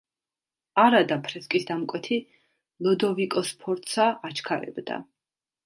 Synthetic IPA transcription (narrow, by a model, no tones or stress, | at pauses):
aɾad̪apʰɾɛskʼisd̪amkʼwɛt̪ʰi | lˠɔd̪ɔvikʼɔspʰɔɾt̪ʼsaat͡ʃʰkʰaɾɛ̰bd̪a̰